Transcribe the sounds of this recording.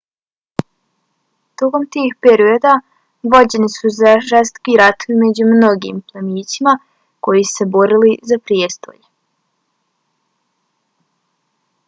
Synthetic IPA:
t̪oko̞mt̪iːxpeɾio̞d̪a | ʋo̞d͡ʑe̞nisuzaʒest̪o̥kiɾat̪oʋimed͡ʑumno̞ɡḭmplˠaniːt͡ɕima | ko̞jise̞bo̞ɾilizapɾiest̪o̞̰ʎ

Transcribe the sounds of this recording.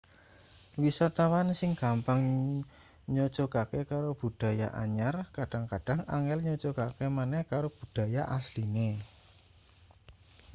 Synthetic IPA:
wisat̪awansɪŋkampaŋ | ɲɔ̥t͡ʃɔkakekaɾob̥ṳd̥a̤ja̰ʔa̰ɲarkaɖ̥aŋkaɖ̥a̤ŋaŋɛlɲɔt͡ʃokakemanɛhkaɾob̥ṳɖ̥a̤jaʔasline

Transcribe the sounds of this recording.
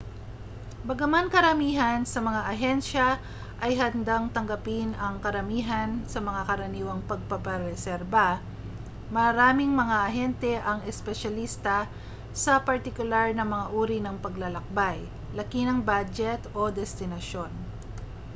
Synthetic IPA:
bɐɡɐmankɐɾɐmiːɦɐnsɐmɐŋaʔɐɦɛnʃɐ | ʔɐjɦɐnd̪aŋt̪ɐŋɡɐpɪnɐŋkɐɾɐmiːɦɐnsɐmɐŋakɐɾɐniːwɐŋpɐɡ̚pɐpɐɾɛsɛɾba | mɐɾaːmɪŋmɐŋaʔɐɦɛnt̪ɛʔɐŋɛspɛʃɐlist̪ɐ | sɐpɐɾt̪ɪkʊlaɹnɐmɐŋaʔuːɾinɐŋpɐɡlɐlɐk̚baj | lɐkinɐŋbad͡ʒɛt̪o̞d̪ɛst̪ɪnɐʃo̞n

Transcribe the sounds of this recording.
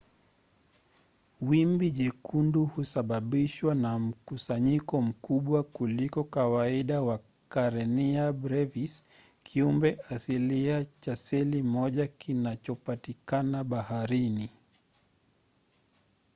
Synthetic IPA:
wimbiʄɛkʰunduhusaɓaɓiʃwanam̩kusaɲikɔm̩kuɓwakulikɔkawaiɗawa | kaɾɛniabɾɛvis | kʰiumbɛasiliat͡ʃasɛlimɔʄakinat͡ʃɔpatikanaɓahaɾini

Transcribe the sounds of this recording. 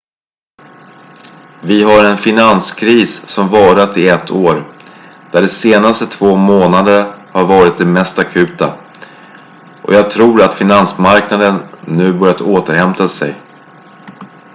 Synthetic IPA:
vɪɦaɾɛnfɪnanskʰɾiːsːɔmvɑːɾat̪ɪɛt̪ʰːoːɾd̪̥æɖɛseːnast̪ət̪ʰvoːmoːnad̪əɾhaɾvɑːɾɪt̪̚d̪ɛmɛst̪akʰʉ̟ːt̪a̰ | ʔɔ̰jɑːɡ̚t̪ʰɾuːɾat̪fɪnansmaɾknad̪ənːʉ̟ːbœɾjat̪oːt̪əɾhɛmt̪asɛ̰j

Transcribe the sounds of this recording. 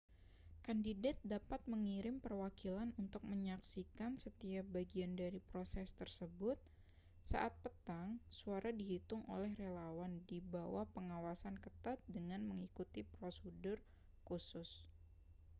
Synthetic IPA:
kandidat̪̚dapat̪̚məŋiɾɪmpərwakilanunt̪ʊk̚məɲaksikansət̪iahbaɡiandaɾipɾosɛst̪ərsəbʊt̪̚ | sa̰ʔat̪̚pət̪aŋsuaɾadiɦit̪ʊŋʔo̰lɛhrelawandibawahpəŋawasankət̪at̪̚dəŋanməŋikut̪ipɾosədʊr | kusʊs

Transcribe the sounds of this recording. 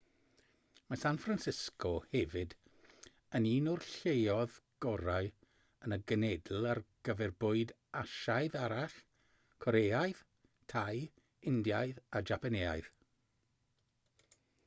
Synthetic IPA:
masanfransɪskʰɔhɛvɨd | əniːnʊrɬejɔðɡ̥ɔɾaɨ | ənəɡənɛdl̩ˠarɡ̥əvɛrbʊɨd | aʃaɨðaɾaɬ | kʰɔɾeːajð | tʰaj | ɪndjajðad͡ʒapanea̰jð̥

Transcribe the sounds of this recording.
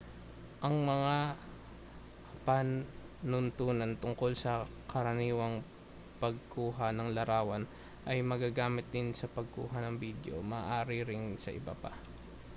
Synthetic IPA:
ʔɐŋmɐŋa | pan | nʊnt̪uːnɐnt̪ʊŋko̞lsɐ | kɐɾɐniːwɐŋ | pɐɡ̚kʰuːɦɐnɐŋlɐɾaːwɐn | ʔɐjmɐɡaɡaːmɪt̪̚d̪ɪnsɐpɐɡ̚kṵːɦɐnɐŋbiːd̪o̞̰mɐʔaːɾɪɾɪnsɐ̰ʔɪ̰ba̰pa̰

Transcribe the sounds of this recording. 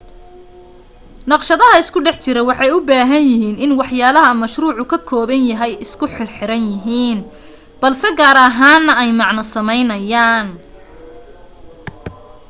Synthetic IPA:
nɑqʃɐðɐɦɐɪskʰʊɖɛħt͡ʃɪɾɐwɑħɑjʊbaːɦɐnjɪɦiːnɪnwɑħjaːlɐɦɐmɐʃruːʕʊkʰɐkʰɔːβɐnjɐɦɛjɪskʰʊħɪrħɪɾɐnjɪɦiːn | b̥ɐlsɛɡaːɾɐɦaːnːɐɛjmɑʕnɐsɐmɛjnɐjaːn

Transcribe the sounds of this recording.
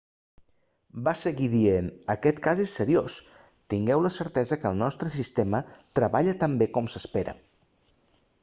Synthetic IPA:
basəɣiðienəkɛt̪kazesːəɾios | t̪iŋɡɛwləsəɾt̪ɛzəkəlˠnɔst̪ɾəsist̪emət̪ɾəβaʎət̪əmbekɔmsəspeɾə̰

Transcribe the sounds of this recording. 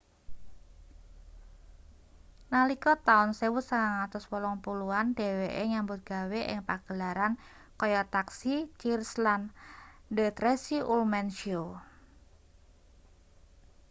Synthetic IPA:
nalikɔt̪aʊnsewʊt̪̚saŋaŋat̪ʊswɔlɔŋpuluanɖe̤weʔeŋambʊt̪̚ɡ̥a̤weʔɪ̰ŋpaɡ̥əlaɾan | kɔjɔt̪aksit͡ʃirslandət̪ɾesiʔulmɛnʃo

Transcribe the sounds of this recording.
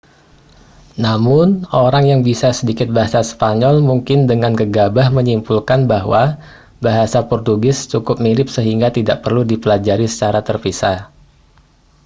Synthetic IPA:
namʊnoɾaŋjaŋbisasədikɪt̪̚baɦasaspaɲɔlmuŋkɪndəŋankəɡabahməɲimpulkanbaɦwa | baɦasapɔrt̪uɡɪst͡ʃukʊp̚milɪp̚səɦiŋɡat̪idaʔpərludipəlad͡ʒaɾisə̥t͡ʃaɾat̪ərpisa

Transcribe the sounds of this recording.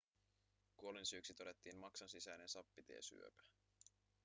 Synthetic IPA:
kuo̞linsyːksit̪o̞de̞t̪ːiːnmɑksonsisæjne̞nsɑpːit̪ḛːsy̰øpæ̥

